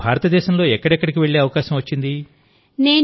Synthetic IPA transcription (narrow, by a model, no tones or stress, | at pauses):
bʱaːɾɐt̪ɐd̪ɛːʃɐmlo̞ːɛkːɐɽɛkːɐɽik̬iʋe̞ɭːe̞ːɐʋɐkaːʃɐmʋɐt͡ʃːind̪i | neː